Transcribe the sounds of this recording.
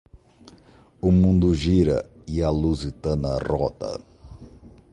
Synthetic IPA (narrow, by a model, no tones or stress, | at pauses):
ʊmũnd̪ʊʒiɾɐ̰ | iɐluzit̪ɐ̃nɐrɔt̪ɐ̰